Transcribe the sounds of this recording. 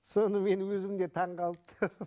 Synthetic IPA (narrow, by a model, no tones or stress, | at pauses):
so̞nəme̞nwɵzɪmd̪e̞t̪ʰɑɴqɑlˠt̪ʰə